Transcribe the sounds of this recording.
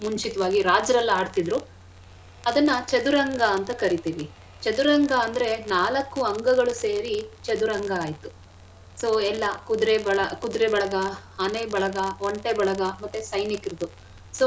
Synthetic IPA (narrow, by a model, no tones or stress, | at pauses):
muɲt͡ʃit̪ɐʋaːɡiɾaːd͡ʒɾɐlːaːɖt̪id̪ɾu | ɐd̪ɐnːɐt͡ʃɐd̪uɾɐŋɡɐːnt̪ɐkɐɾit̪iːʋi | t͡ʃɐd̪uɾɐŋɡɐːnd̪ɐɾe̞naːlɐkːuɐŋɡɐɡɐɭuseːɾit͡ʃɐd̪uɾɐŋɡɐːjt̪u | soːɛlːɐkud̪ɾebɐɭɐkud̪ɾebɐɭɐɡɐhɐnebɐɭɐɡɐoɳʈebɐɭɐɡɐmɐt̪ːusɐjnikiɾd̪u | soː